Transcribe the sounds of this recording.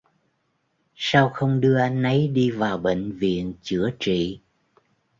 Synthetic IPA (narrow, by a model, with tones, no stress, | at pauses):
saː˧wxə˧wŋ͡mɗɨ˧əʔa˧jn̟ʔə˨˦jɗi˧vaː˨˩wɓḛ˧˨ŋ̟vḭ˧˨ənt͡ɕɨ˧˥ət͡ɕḭ˧˨